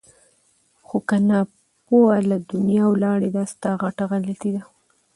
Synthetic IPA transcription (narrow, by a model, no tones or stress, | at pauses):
xokanɑ | poalad̪ʊnjɑwlɑɽed̪ast̪ɑɣaʈaɣalat̪id̪a